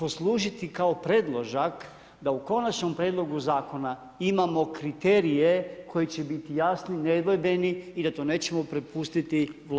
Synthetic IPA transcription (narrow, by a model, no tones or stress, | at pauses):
poslˠuːʒit̪ikao̞pɾe̞d̪lˠo̞ʒak | d̪auko̞nat͡ʃɲo̞mpɾeːd̪lˠo̞ɡuzaːko̞na | imamo̞kɾit̪eːɾije̞kʰo̞jit͡ɕebit̪ijasnined̪ʋojbe̞niːd̪at̪oːneːt͡ɕe̞mo̞pɾepust̪it̪iʋl